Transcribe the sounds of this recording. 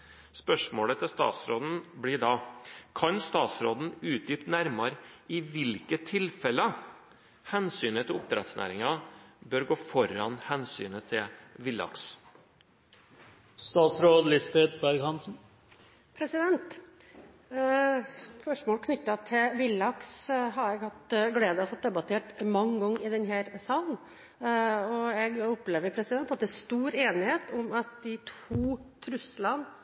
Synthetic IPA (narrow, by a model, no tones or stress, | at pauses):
spœʂmoːlət̪ʰɪst̪ɑ̰ːt̪sɾoːd̪n̩bliɖɑkʰɑnst̪ɑːt̪sɾoːd̪n̩ʉːt̪̚d̪yːpt̪næɾmɑɾɪʋɪlkət̪ʰɪlfɛlə | hɛnsyːnət̪ʰɪlʊp̚t̪ʰɾɛ̰t̪snʔæ̰ːɾɪŋɑbøːɾɡoːfɔɾɑnhɛnsy̰ːnət̪ʰɪlʋɪlːɑ̰ks | st̪ɑːt̪sɾoːd̪lɪsbeːt̪bæɾɡhɑnsn̩ | pʰɾɛsɪd̪ɛnt̪ | spœʂmoːlkʰnʏt̪ːɑt̪ʰɪlʋɪlːɑksɦɑɾɛɡhɑt̪ɡleːd̪əɔfɔt̪̚d̪ɛbɑt̪ʰeːʈmɑŋːɡɔŋːɪd̪ɛnhæːɾsɑːln̩ | ɔɛɡʊpleːʋəɾpʰɾɛsɪd̪ɛnt̪ɑt̪̚d̪ɛæst̪uːɾeːnɪheːt̪ʊmɑt̪̚d̪ɪt̪ʰuːt̪ʰɾʉslɑn